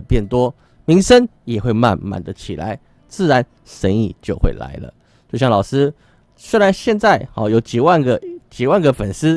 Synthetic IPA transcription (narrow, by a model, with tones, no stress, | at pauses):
pjɛ˥˩nt̪wɔ˦ | mi˧˥ŋʂə˦njɛ˨˩xwe˥˧ɪma̰˥˨nma̰˨˩nd̪ə˦t͡ɕʰi˨˩la̰˧˦ɪ | t͡sɹ̩˥˩ɻa˧˦n | ʂə˧˦˥nḭ˥˨˩t͡ɕjo˥˧ʊxwḛ˥˩ɪla̰˧˦ɪlə̰˧˨ | t͡ɕjo˥˧ɕjɑ˥˩ŋlɑ˨˩ʂɹ̩˦ | swe˥ɻa˧˦nɕjɛ˥˧nt͡sa˥˩ɪxɑ˧˦jo˨˥ʊt͡ɕi˨˩wa˥˨nɡə˨˩t͡ɕi˨˩wa˥˩nɡə˨˩fə˨˩nsɹ̩˥